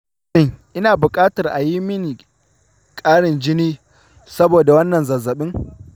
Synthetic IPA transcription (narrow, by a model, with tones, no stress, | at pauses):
ɪ˦˨ŋʔɪ˦naː˨bʊ˨kʼaː˦tɐ˨rʔa˨ji˦mɪ˦ni˨ | kʼaː˦ɽɪ˨nd͡ʒɪ˦niː˦ | sɐ˦boː˨da˨wɐ˦nːɐ˨nzɐ˨zɐ˨ɓɪ˦ŋ